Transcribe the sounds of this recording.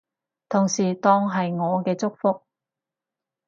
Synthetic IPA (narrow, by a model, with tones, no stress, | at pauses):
t̪ʰʊ˨˩ŋsiː˨t̪ɔː˧˥ŋɦɐ˨jŋɔː˨˧kɛː˧t͡sʊ˥k̚fʊ˥k̚